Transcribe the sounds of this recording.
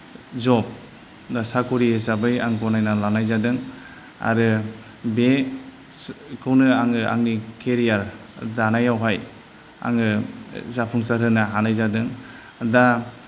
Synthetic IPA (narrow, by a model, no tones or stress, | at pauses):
zɔp̚ | dasakuɾihesabɯja̰ŋɡɔnajnalanajzadɯŋ | a̰ɾɯ | be | kʰɯwnɯaŋɯʔa̰ŋnikeɾijaɾdanajawɦaj | a̰ŋɯzapʰuŋsaɾɯnaɦanajzadɯŋ | da